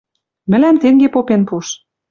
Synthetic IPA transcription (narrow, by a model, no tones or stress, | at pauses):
mɘ̆læmt̪eŋɡepopenpuʃ